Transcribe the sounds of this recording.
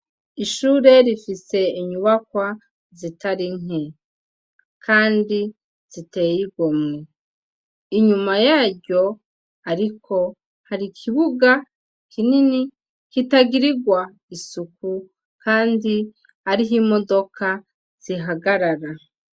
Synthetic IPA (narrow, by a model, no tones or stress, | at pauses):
iʃuːɾe̞ɾifise̞iɲuβakwa | zitaɾiŋ̥e | kʰaːndi | z̥ite̞jiɡome | iɲumajaːɟo̞ | aɾikʰo̞ | haɾikʰiβuɡa | kinini | kitaɡiɾiɡwa | isuku | kaːndi | aɾiɦimo̞do̞kʰa | z̥iɦaɡaɾaɾa